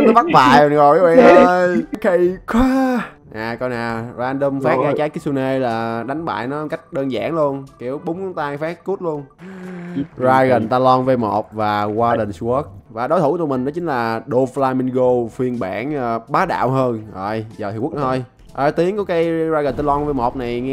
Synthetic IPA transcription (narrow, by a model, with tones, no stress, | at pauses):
nɔ˨˦va˦˥t̚va̰ː˧˨jŋzo˨˩jʔa˨˦ɓa̰˧˨ʔəː˨˧˩jkʰə˧jkʰwa˦˧ | ʔaː˨˩kɔ˧wnaː˨˩zaː˧nɗə˧mfa˦˥t̚ʔaː˧t͡ɕaː˨˦jki˦˥su˧ne˧laː˨˩ɗa˨˦jŋ̟ɓa̰ː˧˨jnɔ˨˦hə˧˩ka˦˥jk̟̚ɗəː˧nza̰ː˧˩˨ŋlu˧ənki˧˩əwɓʊ˨˦ŋ͡mkɔ˨˦ŋ͡mt̪aː˧ŋfɛ˦˥t̚ku˦˥t̚lu˧ən | zaː˧ɣə˨˩nt̪aː˧lɔ˧nve˧˩jmo˨˩t̚vaː˨˩kwaː˧ɗə˨˩ŋ̟swɔ˦˥k̚vaː˨˩ɗo˨˦jt̪ʰu˧˩˦t̪mï˨˩ŋ̟nɔ˨˦t͡ɕï˨˦ŋ̟laː˨˩ɗo˧flaː˧mi˧nɣo˧fi˧ənɓa̰ː˧˥nʔəː˧ɓaː˨˦˥ɗa̰ː˧˨wɦəː˧nzə˧˨˩jzɔ˨˩hi˨˩wk̚n˧˦t̪ʰo˧j | ʔəː˧˩t̪i˨˦əŋku˨˩˦kaː˨˦jza˧ɣə˨˩nt̪a˧lɔ˧nve˧˩mo˨˩p̚na˨˩jŋɛ˧